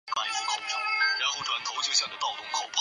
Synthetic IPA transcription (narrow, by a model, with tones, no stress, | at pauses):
ka˥˩ɪfu˧˥kʰo˨˩ʊpɻa˧˥nxo˥˩ʊʈ͡ʂʰwa˧˥nt̪ʰo˧˥ʊt͡ɕjo˥˧ɕjɑ˥˩ŋd̪ə˩t̪ɑ˥˩ʊt̪ʰʊ˥ŋkʰo˨˩ʊpʰ